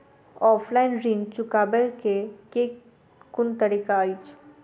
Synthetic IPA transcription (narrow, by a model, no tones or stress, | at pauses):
ɔːfʰlaːɪnɾĩːnt͡ʃʊkaːbəkeke | kʊnt̪ɐɾiːkaːit͡ʃʰ